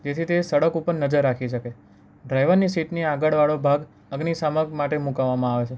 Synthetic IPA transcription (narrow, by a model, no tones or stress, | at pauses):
d͡ʒet̪ʰit̪esəɽəkupəɾnəd͡ʒəɾːakʰiʃəke | ɖɾajʋəɾnisiʈniaɡəɭʋaɭobʱaɡ | əɡnisaməɡmaʈemukaʋːamãaʋet͡ʃʰe